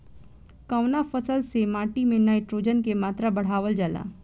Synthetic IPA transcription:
kaʊnafəsəlsemaːʈimẽnaːɪʈɾoːd͡ʒənkemaːt̪ɾabɐɽ̤aːʋəld͡ʒaːla̰ː

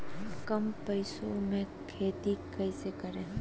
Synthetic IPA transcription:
kɐmpɐɪsomẽ | kʰeːt̪ikɐɪsekɐɾeɦ

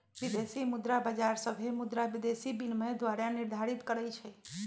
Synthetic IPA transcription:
ʋid̪esimud̪ɾabəd͡ʒaɾsəbʱemud̪ɾaʋid̪esibinmed̪ʋaɾaniɾd̪ʱaɾit̪kəɾət͡ʃʰɛ

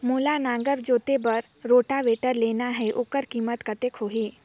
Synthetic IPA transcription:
muːlanãːŋɡəɾd͡ʒoːt̪ebəɾ | ɾoːʈaʋeːʈəɾleːnaɦɛʔʊkəɾkiːmət̪kɐt̪ekʰoːɦiː

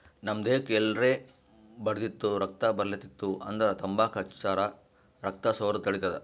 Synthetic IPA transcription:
nɐmd̪eːkelɾeː | bɐɽd̪it̪ːuɾɐk̚t̪ɐbɐɾlit̪it̪ːuʔɐnd̪ɾɐt̪ɐmbaːkɐt͡ʃaːɾɐ | ɾɐk̚t̪ɐsoːɾɐt̪ɐɽit̪ɐd̪e

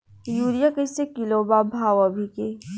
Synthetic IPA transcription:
juːɾijakəsekilobaːbʱaːwɐbʱike

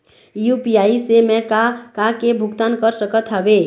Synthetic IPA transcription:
jupiaːisemɛ̃kakakebʱʊɡt̪aːnkəɾsəkət̪ɦɛʋeː

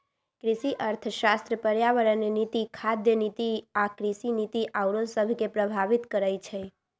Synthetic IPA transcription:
kɾiʃiʔəɾt̪ʰʃast̪ɾəpəɾjaʋəɾənenit̪ikʰad̪jənit̪iakɾisinit̪iʔawɽõsəbʱkepɾəbʱaʋit̪kəɾəjt͡ʃʰe

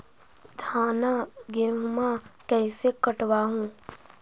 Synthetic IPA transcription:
d̪ʱaːnaɡɪɾmmakɛːsekəʈwaɦũː

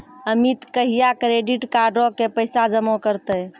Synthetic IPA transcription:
əmit̪kəɦijakɾeɖiʈkaɾɖokepəɪsad͡ʒəmokəɾt̪ə

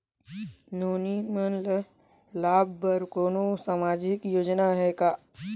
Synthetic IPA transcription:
noːnimənlə | laːbbəɾkoːnosamaːd͡ʒɪkjoːd͡ʒnaɦɛkaː

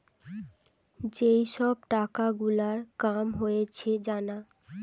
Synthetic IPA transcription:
d͡ʑejʃɔb̚ʈakaɡulaɾkamɦojet͡ɕʰed͡ʑana

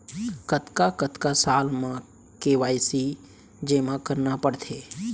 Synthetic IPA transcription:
kət̪kakət̪kasaːlmã | keːʋaːjsi | d͡ʒeːmãkəɾnapəɽt̪ʰeː

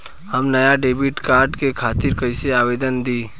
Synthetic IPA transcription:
həmnɐjaɖeːbiʈkaːɾɖkekʰaːt̪ɪɾkəɪseaːʋeːd̪ənd̪iː

